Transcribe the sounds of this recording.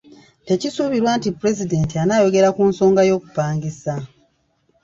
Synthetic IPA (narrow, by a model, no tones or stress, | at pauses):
te̞cisuβiɾwaːntipuɾe̞zide̞ːntianaːjo̞ɡe̞ɾakuːnso̞ːŋɡajo̞ːku̥paːŋɡisa